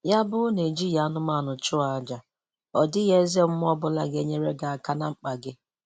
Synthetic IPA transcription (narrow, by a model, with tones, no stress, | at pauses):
ja˦bʊ˦ne˨d͡ʒi˦ja˨˦nʊ˦ma˦˨nʊ˨t͡ʃʊ˦a˨d͡ʒa˨ | ɔ˨dɪ˦ɣe˦ze˦m̩˦m˦ɔ˦bʊ˦la˦ɡe˦ɲe˦ɾe˦ɡa˨a˨ka˦na˨ŋ͡m̩˦k͡pa˨ɡɪ˦